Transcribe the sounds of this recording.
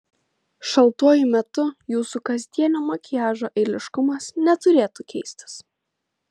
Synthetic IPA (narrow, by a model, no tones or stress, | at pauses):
ʃɐlˠt̪uɔjʊmʲɛt̪ʊjuːsukɐzʲd̪ʲiɛnʲoːmɐkʲɪjæːʒoːʔɛɪlʲɪʃkʊmɐsnʲɛt̪ʊɾʲeːt̪ukʲɛɪsʲt̪ʲɪ̥s